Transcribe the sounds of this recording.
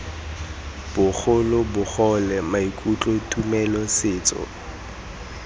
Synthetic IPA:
b̥ʊk͡xʰʊlʊbʊχɔlɛmaikʼut͡ɬʼɔtʰʼumɛlɔsɪːt͡sɔ̰

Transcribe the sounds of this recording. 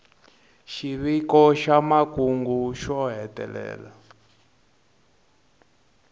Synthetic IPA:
ʃiβikɔʃamakuŋɡuʃɔɦɛtɛ̰lɛ̰ːla

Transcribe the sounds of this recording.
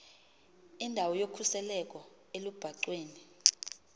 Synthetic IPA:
indʱawɔjokʰusɛlɛk̬ʼɔ | elub̥ʱaǀweːni

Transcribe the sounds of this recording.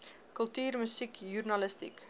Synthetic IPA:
kɵlˠtyːrməsikjurnɐləstḭk

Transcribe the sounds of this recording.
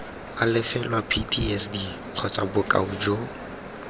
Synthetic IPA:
alɪfɛlwapʰitʰiɛsdi | q͡χʰɔt͡sʼabʊkʼa̰ud͡ʒo

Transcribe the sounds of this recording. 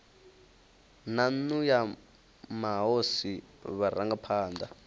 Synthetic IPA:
nanuja | maɦosiβaɾaŋɡapʰaːnd̪a

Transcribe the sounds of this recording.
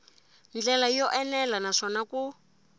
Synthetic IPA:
nd͡ɮɛlajɔʔɛnɛlanaʂɔnaku

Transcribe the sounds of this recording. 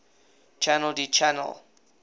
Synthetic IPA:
t͡ʃʰanɛldit͡ʃʰanɛ̰l

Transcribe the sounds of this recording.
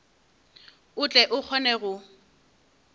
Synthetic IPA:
ʊt͡ɬʼɛʔʊk͡xʰɔnɛɣʊ

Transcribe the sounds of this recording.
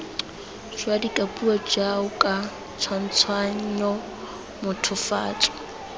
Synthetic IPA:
ʃwadikʼapʼuɔd͡ʒaʊkʼa | t͡sʰwan̩t͡sʰwaɲ̩ɲɔ | mʊtʰʊfa̰ːt͡sʼɔ̥

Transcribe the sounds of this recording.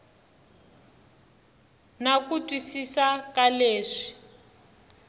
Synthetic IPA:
nakutʼwisisakaleːʂi̥

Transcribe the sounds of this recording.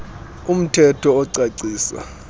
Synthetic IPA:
um̩tʰɛtʰɔːǀaǀiːsa̰

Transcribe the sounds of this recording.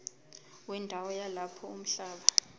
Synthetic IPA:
wɛndʱawɔjalapʰɔum̩ɬaːɓa

